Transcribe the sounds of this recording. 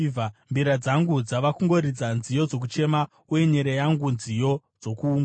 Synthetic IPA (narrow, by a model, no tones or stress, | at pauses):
vambiɾad͡zaŋɡud͡zaʋakuŋɡo̞ɾid͡zanzijo̞d͡zo̞k̬ut͡ʃe̞ma | uje̞ɲeɾejaŋɡunzijo̞ | d͡zo̞kuːŋɡa